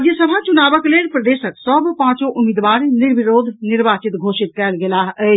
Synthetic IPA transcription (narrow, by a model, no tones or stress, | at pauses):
d̪jəsəbʱat͡ʃʊnaːʋəkleːɾpɾɐd̪eːʃəksɔːbpãːt͡ʃoʔʊmiːd̪ʋaːɾnɪɾʋɪɾoːd̪ʱnɪɾʋaːt͡ʃɪt̪ɡʱoːʃɪt̪̚kɛːlɡɪlaːɦɛ